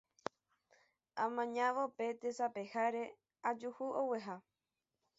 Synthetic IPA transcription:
ãmãɲãʋope̞t̪esape̞haɾe̞ | ad͡ʒuhuoweɦa

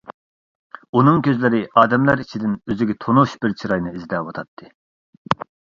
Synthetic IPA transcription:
unɨŋkʲʰøzlɪɾɪʔɑːd̪ɛmlæɾit͡ʃʰid̪ɪnøzɪɡʲɛt̪ʰonuʃbɪɾt͡ʃʰiɾɑjnɨizd̪ɛwot̪ʰɑt̪ʰːɨ

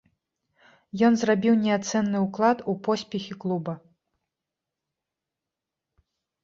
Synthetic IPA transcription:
jɔnzrabʲiwnʲɛat̪sɛnːɨuklˠat̪upɔsʲpʲɛxʲiklˠubɐ

